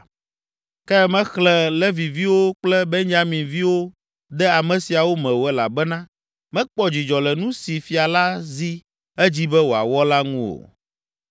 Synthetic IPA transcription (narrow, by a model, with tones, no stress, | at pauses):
kɛ˦mɛ̃˦xlɛ˨lɛ˦vi˨vi˦wo˦k͡plɛ˦be˦ɲd͡ʒa˦mĩ˨vi˦wo˦ | d̪ɛ˦a˨mɛ̃˨si˨a˨wo˦mɛ̃˨wo˨˦ɛ˦la̰˨bɛ˦nã˦ | mɛ̃˦k͡pɔ˦d͡ʑi˨d͡ʒɔ˨lɛ˨nũ˦si˨fi˨a˨la˦zi˦ | ɛ˦d͡ʑi˦bɛ˦wo˨a̰˨wɔ˦la˦ŋũ˦o̰˨